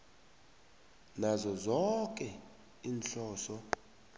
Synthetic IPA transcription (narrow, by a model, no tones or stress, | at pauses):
nazɔzɔkʼɛ | iːnɬɔːsɔ